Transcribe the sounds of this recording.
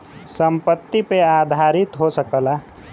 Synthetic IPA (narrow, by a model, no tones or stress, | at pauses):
səmpət̪ːipead̪ʱaɾɪt̪ɦosəkəla